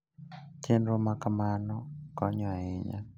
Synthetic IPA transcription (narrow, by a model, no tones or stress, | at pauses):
t͡ʃenɾomakamanɔkɔɲɔaɛɲa̰